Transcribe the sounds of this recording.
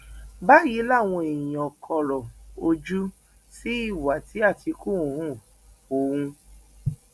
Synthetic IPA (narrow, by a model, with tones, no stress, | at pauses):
ba˦ji˨˦la˦˨w̃ɔ̃˧e˨j̃ɔ˨kʰɔ˧ɾɔ˨o˧d͡ʒu˦ | si˦i˦˨wa˨ti˨˦a˦˨ti˧kũ˦˨˦hũ˦˨ | o˨˦hũ˧